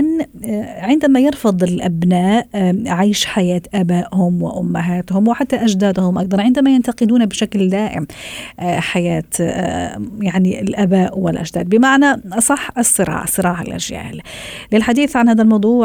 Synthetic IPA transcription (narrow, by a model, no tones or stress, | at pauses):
ʔan | ʕɪnd̪amajɪɾˤfɑd̪ˤɪɪlʔabnaːʔʕiːʃħajaːt̪ʔabaːʔhʊmwɪ̰ʔʊmːaɦaːt̪hʊmwɪħat̪ːaʔad͡ʒd̪aːd̪hʊmʔakd̪ɑɾˤʕɪnd̪amajɪnt̪aqɪd̪uːnabɪʃakld̪aːʔɪ̰m | ħajaːt̪ | jaʕniɪlʔabaːʔwɪlʔa̰ʒd̪aːd̪̚bɪmaʕnasˤɑħːɨsˤːɨɾˤɑ̰ːʕsˤɨɾˤɑːʕa̰lʔa̰ʒja̰ːl | lɪlħad̪iːθʕanhaːðalmɑwd̪ˤuːʕ